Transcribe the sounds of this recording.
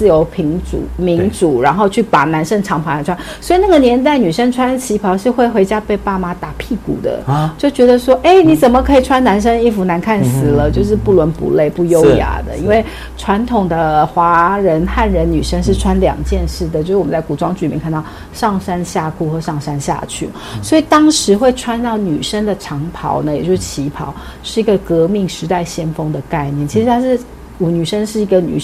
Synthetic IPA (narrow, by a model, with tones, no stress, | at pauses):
t͡sɹ̩˥˩jo˧˥ʊpʰi˧˥ŋʈ͡ʂṵ˨˩mi˧˥ŋʈ͡ʂu˨˩ɻa˧˥nxo˥˧ʊt͡ɕʰy˥˩pa˨˩na˧˥nʂə˥ŋʈ͡ʂʰɑ˧˥ŋpʰa˧˥a˧˩ʈ͡ʂʰwa˥n | swɔ˧˥i˨˩na˥˩ɡə˩njɛ˧˥nt̪̬a˥˩ɪny˨˩ʂə˥ŋʈ͡ʂʰwa˥nt͡ɕʰi˧˥pʰɑ˧˥ʊʂɻ̩˥˧xwe˥˩ɪxwe˧˥ɪt͡ɕja˥pe˥˧ɪpa˥˩ma˧˥t̪a˨˩pʰi˥˩kṵ˨˩d̪ə̰˦t͡ɕjo˥˩ʊt͡ɕɥɛ˧˥d̪ə˧ʂwɔ˥ʔe˥˩ɪni˧˥t͡sə˨˩nmə˦kʰɤ˧˥i˨˩ʈ͡ʂʰwa˥nna˧˥nʂ̬ə˥ŋi˥˩fu˧˥na˧˥nkʰa˥˩nsɹ̩˨˩lə˦t͡ɕjo˥˧ʊʂ̬ɻ̩˥˧pu˥˩lwə˧˥npṵ˧˥le˥˧ɪpu˥˩jo˥ʊja̰˧˥d̪ə̰˨ḭ˥nwe˥˩ɪ | ʈ͡ʂʰwa˧˥nt̪ʰʊ˨˩ŋd̪ə˦xwa˧˥ɻə˧˦˥nxa˥˩nɻə˧˥nny˨˩ʂə˥ŋʂɻ̩˥˩ʈ͡ʂʰwa˥nljɑ̰˨˩ŋt͡ɕjɛ˥˧nʂɻ̩˥˩d̪ə˩t͡ɕjo˥˧ʊɻ̩˥wə˦t͡sku˨˩ʈ͡ʂwɑ˥ŋt͡ɕʰy˥˩i˨mjɛ˥˧kʰa˥˧nt̪ʊ | ʂɑ˥˩ŋʂa˥nɕja˥˧kʰu˥˩xɤ˧˥ʂɑ˥˩ŋʂa˥nɕja̰˥˧t͡ɕʰy̰˥˩ | swɔ˧˥i˨˩t̪ɑ˥ŋʂɻ̩˧˥xwe˥˩ɪʈ͡ʂʰwa˥nt̪ɑ˥˩ʊny˨˩ʂə˥ŋd̪ə˨ʈ͡ʂʰɑ˧˥ŋpʰɑ̰˧˥ʊnə˧˨jt͡ɕjo˥˧ʂɻ̩˥˩t͡ɕʰi˧˥pʰɑ̰˨˥ʊ | ʂɻ̩˥˩i˧˥ɡə˧kɤ˧˥mi˥˩ŋʂɻ̩˧˥t̪a˥˩ɪɕjɛ˥nfɤ˥ŋd̪ə˨ka˥˧ɪnjɛ˥˩nt͡ɕʰi˧˥ʂɻ̩˧t̪ʰa˥ʂɻ̩˥˩ | wɔ˨˩ny˨˩ʂə˥ŋʂɻ̩˥˩i˧˥ɡə˧ny̰˨˩